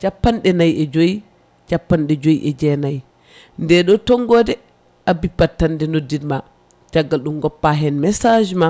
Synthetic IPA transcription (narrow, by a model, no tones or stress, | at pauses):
t͡ʃapːanɗɛnajɛd͡ʒoji | t͡ʃapːanɗɛd͡ʒojiʔɛd͡ʒɛnaj | ndɛɗɔtɔŋɡɔdɛ | ʔabipːatːandɛnodːidma | d͡ʒaɡːalɗumɡɔpːaɦɛnmɛsad͡ʒma